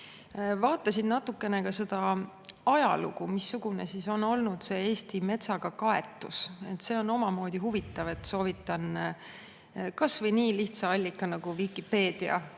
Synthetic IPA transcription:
vɑːt̪ːˑɑsinnɑt̪ːˑukːˑe̞ne̞kɑse̞d̪̥ɑ | ɑjɑ̰lṵɡumisːuɡ̥une̞siso̞no̞lnud̪̥se̞ːe̞ːst̪ime̞t̪sɑɡ̥ɑkɑe̞t̪ːˑuse̞t̪ːˑse̞o̞no̞mɑmo̞ːd̪̥iɦuvit̪ːˑɑve̞t̪ːso̞ːvit̪ːˑɑn | kɑsvɤjniːliht̪sɑɑlʲːikˑːɑnɑɡ̥uvikˑipe̞ːd̪̥iɑ̰

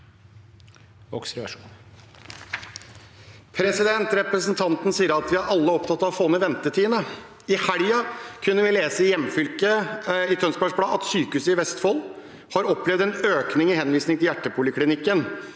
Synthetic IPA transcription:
ʋɔ̰ksɾɛʋæ̰ʂuːn | pʰɾɛsɪd̪ɛnt̪ɾɛpɾəsnt̪ʰɑnt̪n̩siːəɾɑt̪ʋɪhæɾɑlːəɔpt̪ʰɑt̪ːɑʋfoːnəʋɛnt̪ət̪ʰiːənə | ɪhæɽjɑkʰʉnːəʋɪleːsəɪjɛmfʏlkəɪt̪ʰœnspæʂbɽɑːɑt̪syːkʉːsəɪʋɛst̪fɔl | hɑɾɔplɛʋd̪ɛnøːknɪŋɪhɛnʋiːsnɪŋt̪ɪljæʈːəpʰʊlɪkʰlɪnɪkːən

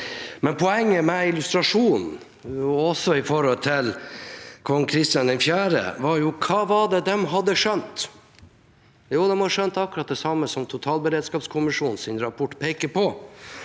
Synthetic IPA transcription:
mɛnpʰɔɛŋːəmɛɪlʉst̪ɾɑʂuːn | ɔsɔɪfɔɾhɔlt̪ʰɪl | kʰɔŋːkʰɾɪst̪jɑnd̪ɛnfjæːɾə̰ʋɑɾjʊkʰɑːʋɑɖ̪ɛd̪ɛmɦɑd̪ːəʂœnt̪ | juːd̪ɛmhɑʂœnt̪ɑkːʉɾɑt̪̚d̪ɛsɑmːəsɔmt̪ʰʊt̪ʰɑːlbəɾeːd̪skɑːpskʰʊmɪʂuːnsɪnɾɑpʰɔʈːpʰeːkəpɔ

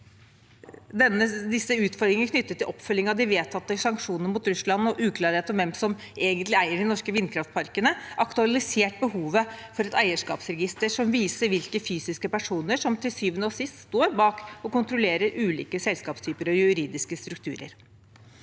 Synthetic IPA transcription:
d̪ɛnːəd̪ɪsːəʉːt̪fɔɾd̪ɾɪŋəkʰnʏt̪ːət̪ːɪlʔɔpːfœlːɪŋɑd̪ɪʋeːt̪ʰɑt̪ːəʂɑŋkʂuːnəɾmuːt̪ɾʉslɑnːɔʔʉːkʰlɑːɾheːt̪ɔmʋɛmsɔm | eːɡənt̪lɪæɪəɖɪnɔʂkəʋɪnːkʰɾɑft̪̚pʰɑɾkənəʔɑkt̪ʉɑlɪseːʈ̚bəhuːʋəfɔɾɛt̪æɪəʂkɑːpsɾɛɡɪst̪əʂɔmʋiːsəɾʋɪlkəfyːsɪskəpæʂuːnəʂɔmt̪ʰɪlsyːʋənosɪst̪st̪oːɾbɑːkɔkʊnt̪ɾʊleːɾəɾʔʉːlḭːkəsɛlskɑːpst̪ʰyːpəɾɔjʉɾiːd̪ɪskəst̪ɾʉk̚t̪ʰʉːɾə̰ɾ

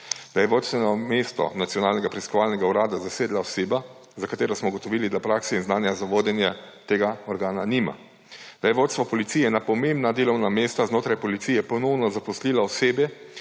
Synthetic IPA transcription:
d̪ajɛʋoːt̪st̪ʋɛnɔmeːst̪ɔ̰nat̪sijɔnaːlnɛɡapɾɛiskɔʋaːlnɛɡauɾaːd̪azaseːd̪laɔseːba | zakat̪eːɾɔsmɔɡɔt̪ɔʋiːlid̪apɾaːksɛinznaːnjazaʋoːd̪ɛnjɛt̪eːɡaɔɾɡaːnanima̰ | d̪̥ajɛʋoːt̪st̪ʋɔpɔlit̪sijɛnapɔmembnad̪eːlɔwnameːst̪aznoːt̪ɾajpɔlit̪sijɛpɔnɔwnɔzapɔsliːlaɔseːbjɛ

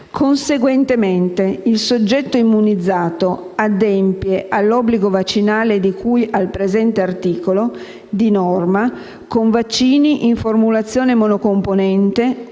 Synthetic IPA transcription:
kʰonseɡwent̪ement̪eilsod͡ʒːɛt̪ːoimːunid̪zːaːt̪oad̪ɛmpjeʔalːɔbːliɡovat͡ʃːinaːled̪ikʰujalpɾezɛnt̪eart̪iːkolo | d̪inɔrma | koɱvat͡ʃːiːniʔiɱformulat̪sːjoːnemɔnokomponɛnt̪e

